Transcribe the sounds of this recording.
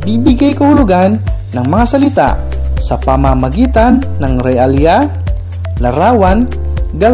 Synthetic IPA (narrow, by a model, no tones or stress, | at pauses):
bibɪɡajkɐhʊlʊɡanː | ɐŋmɐŋasɐlɪt̪a̰ʔ | sɐpɐmamɐɡiːt̪anːɐŋɾɛʔalja | lɐɾaːwan | ɡa